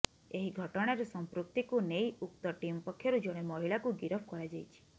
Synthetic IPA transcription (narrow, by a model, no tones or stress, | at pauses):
eɦiɡʱɔʈɔɽ̃aɾɔsɔmpɾuk̚t̪ikunejuk̚t̪ɔʈimɔpɔkʰːjɔɾud͡ʒoɽ̃emɔɦiɭakuɡiɾɔpʰkɔɾad͡ʒajt͡ʃʰi̥